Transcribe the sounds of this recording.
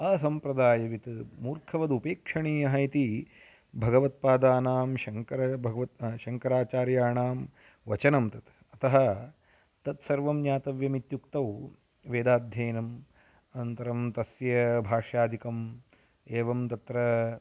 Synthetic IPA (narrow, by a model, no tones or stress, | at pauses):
ɐsɐmpɾɐd̪aːjɐʋit̪muːɾkʰɐʋɐd̪upeːkʂɐɳiːɐɦɐit̪i | bʱɐɡɐʋɐt̪̚paːd̪aːnaːmʃɐŋkɐɾɐbʱɐɡɐʋɐʃɐŋkɐɾaːt͡ʃaːɾjaːɳaːm | ʋɐt͡ʃɐnɐmt̪ɐt̪ | ɐt̪ɐɦɐ̆ | t̪ɐt̪sɐɾʋɐmɲaːt̪ɐʋjɐmit̪jukt̪ɐʋw | ʋeːd̪aːd̪ʱjɐːnɐm | ɐnt̪ɐɾɐmt̪ɐsjɐbʱaːʂjaːd̪ʱikɐm | eːʋɐmt̪ɐt̪ɾɐ